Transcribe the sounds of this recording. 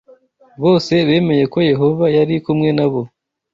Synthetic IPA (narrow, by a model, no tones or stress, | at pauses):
βo̞ːse̞βe̞ːme̞je̞ko̞je̞ɦo̞vajaɾikumŋe̞naβo̞